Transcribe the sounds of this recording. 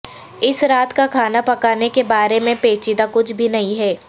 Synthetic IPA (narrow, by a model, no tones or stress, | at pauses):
ɪsɾaːt̪kakʰaːnapɐkaːnekebaːɾemẽpeːt͡ʃid̪akʊt͡ʃʰbʱinɐɦĩɦɛː